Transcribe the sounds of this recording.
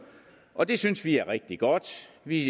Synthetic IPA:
ʔɒ̽d̥e̝synsʋiæɐʁeɡ̥̚d̥iɡ̥ɒd̥ʋi

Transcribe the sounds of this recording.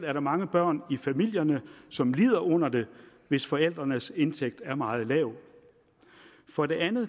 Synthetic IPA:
læɐɾ̥ɑ̈mɑ̈ŋəb̥ɶɐ̰nifæmil̰jɐnəsɒ̽mliːðˠɐʔɔ̽n̰ɐd̥e̝ | ʋe̝sfɒ̽el̰d̥ʁɐnəse̝nt͡sʰeɡ̥̚d̥æɐmɑ̈ːð̞̩ˠlɛʊ | fɒ̽ɾe̝ʔænð̩ˠ

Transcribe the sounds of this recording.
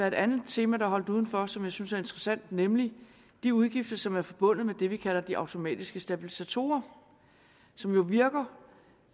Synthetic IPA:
ɑ̈ɐe̥ænð̩ˠt͡sʰe̝ːmæɾ̥ɑ̈ɦɒ̽l̰d̥uːð̞ˠn̩fɒ̽sɒ̽mjɑ̈ɪsynsæɐe̝nd̥ʁɐsæn̰d̥nemli | d̥iuð̞ˠɡ̥ifd̥ɐsɒ̽mæɐfɒ̽b̥ɔ̽n̰ð̩ˠmed̥e̝ʋikʰæl̰ɐd̥iʔɑ̈ʊt͡sʰo̝mɛ̰ːd̥isɡ̥əsd̥æb̥ilisæt͡sʰo̝̰ːɐ | sɒ̽mjo̝ʋiɐɡ̥ɐ

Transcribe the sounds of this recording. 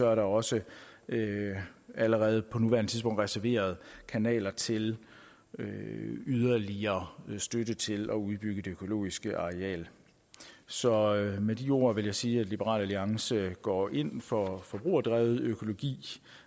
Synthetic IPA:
sɒ̽æɐɾɑ̈ɒ̽sə | æləʁɛːð̞̩ˠpʰɒ̽nuʋæɐnət͡sʰiðˠsb̥ɔ̽ŋ̰d̥ʁɛsæɐʋe̝̰ːɐð̞̩ˠkʰænɛ̰ːlɐt͡sʰe̝l | øyð̞ˠɐliɐːsd̥ødət͡sʰe̝lɒ̽uðˠb̥yɡ̥əd̥e̝økʰo̝lo̝̰ːisɡ̥əʔɑ̈ʁɛɛ̰ːl | sɒ̽med̥io̝̰ːɐʋe̝ljaɪsiːæd̥lib̥əʁɑ̰ːlæliɑ̈ŋsəɡ̥ɒ̰ːʔe̝n̰fɒ̽fɒ̽b̥ʁṵːɐd̥ʁɛʊð̩ˠøkʰo̝lo̝ɡ̥ḭː

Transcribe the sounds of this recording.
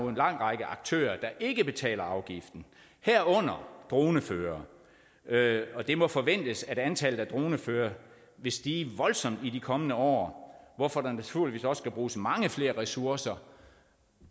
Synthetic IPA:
oenlɑ̈ŋ̰ʁɑ̈ɡ̥əʔɑ̈ɡ̥̚t͡sʰø̰ːɐd̥ɑ̈ʔe̝ɡ̥əb̥e̝t͡sʰɛ̰ːlɐɑ̈ʊɡ̥ifd̥n̩ | hæɐ̰ɔ̽n̰ɐd̥ʁo̝ːnəføːɐː | ɒ̽d̥e̝mɒ̽fɒ̽ʋen̰d̥əsæ̝ænt͡sʰælð̩ˠæd̥ʁo̝ːnəføːɐ | ʋe̝sd̥iʋɒ̽lsɒ̽m̰d̥idikʰɒ̽mənəɒ̰ːʋɒfɒ̽d̥ɑnæt͡sʰuɐliʋḭːsɒ̽ssɡ̥æb̥ʁuːsmɑ̈ŋəfle̝ːɐʁɛsuɐsɐ

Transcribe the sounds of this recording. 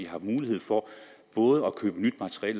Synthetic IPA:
ihɑ̈muːlihe̝ð̞̰ˠfɒb̥ɔ̽ːð̞ˠəækʰø̰ːb̥ənyd̥mæt͡sʰə̥ʁiɛ̰ːl

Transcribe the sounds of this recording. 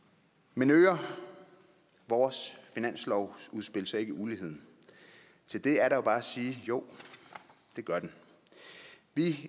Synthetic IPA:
menøːɐ | ʋɒːsfinæn̰slɒʊ̰uðˠsb̥e̝l̰sɐe̝ɡ̥əʔuːliɦe̝ð̰ˠn̩ | t͡sʰe̝ld̥e̝æɐɾɑ̈jo̝b̥ɑ̈ːæsiːjo̝ʊ̰ | d̥e̝ɡ̥ɶɐd̥en | ʋi

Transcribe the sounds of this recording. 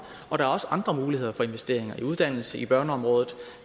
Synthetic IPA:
ɒ̽ɾ̥ɑæɐɒ̽səʔɑ̈nd̥ʁɐmuːlihe̝ð̞̰ˠɐfɒ̽e̝nʋesd̥e̝̰ɐ̰e̝ŋɐiuð̞ˠd̥æn̰l̩səʔib̥ɶɐnəɒ̽mʁɔ̽ːð̞ˠð̩ˠ

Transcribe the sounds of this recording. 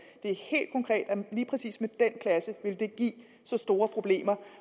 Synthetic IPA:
d̥e̝æɐhe̝̰ːld̥kʰɒ̽ŋkʰʁɛ̰ːd̥æliːpʰʁɛsḭːsmed̥en̰kʰlæsəʋe̝ld̥e̝ɡ̥ḭː | sɒ̽sd̥o̝ːɐpʰʁo̝b̥le̝̰ːmɐ

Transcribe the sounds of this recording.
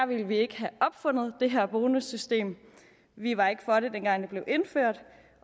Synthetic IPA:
æɐʋilʋie̝ɡ̥əɦæɒ̽b̥fɔ̽n̰ð̞̩ˠd̥e̝ɦæɐ̰b̥o̝ːnusysd̥e̝̰ːm | ʋiʋɑ̈e̝ɡ̥əfɒ̽ɾe̝d̥enɡ̥ɑ̈ŋd̥e̝b̥le̝ʊe̝nføɐ̰d̥

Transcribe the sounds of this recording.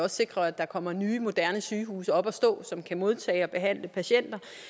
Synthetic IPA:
ɒ̽sse̝ɡ̥ʁɐæd̥ɑ̈kʰɒ̽m̰ɐnyːmo̝d̥æɐnəsyːɦṵːsɒ̽b̥ɒsd̥ɔ̰̽ːsɒ̽mkʰæmo̝ð̞ˠt͡sʰɛ̰ːɪɒ̽b̥e̝ɦæn̰ləpʰæɕen̰d̥ɐ

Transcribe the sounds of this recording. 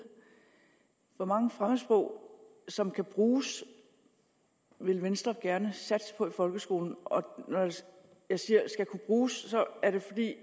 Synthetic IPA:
ʋɒ̽mɑ̈ŋəfʁaməsb̥ʁɔʊ̰ | sɒ̽mkʰæb̥ʁuːs | ʋe̝lʋensd̥ʁɐɡ̥æɐnəsæd̥spʰɒ̽ifɒ̽lɡ̥əsɡ̥o̝̰ːln̩ɒ̽nɒj | jɑ̈ɪsiːɐsɡ̥ækʰub̥ʁuːsːɒ̽æɐɾ̥e̝fɒ̽d̥ḭː

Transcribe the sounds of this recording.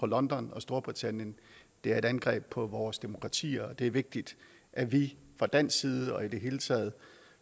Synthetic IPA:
ɒ̽lɒ̽nd̥ɒnɒ̽sd̥o̝ɐb̥ʁit͡sʰæn̰jənd̥e̝æɐe̝ɾ̥ænɡ̥ʁɛ̰ːb̥̚pʰɒ̽ʋɒːsd̥e̝mo̝kʰʁɑ̈t͡sʰḭːɐɒd̥e̝æɐʋe̝ɡ̥̚d̥id̥ | ʔæʋifʁɑ̈d̥æn̰siːð̞ˠəɒ̽id̥e̝ɦe̝ːlət͡sʰɛ̰ːð̞̩ˠ

